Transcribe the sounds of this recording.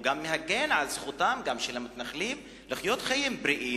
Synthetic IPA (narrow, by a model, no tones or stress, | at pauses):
ɡamːehaɡe̞nʕalzχut̪amɡamʃelamit̪naχlim | liχjo̞t̪χajimbɾiʔi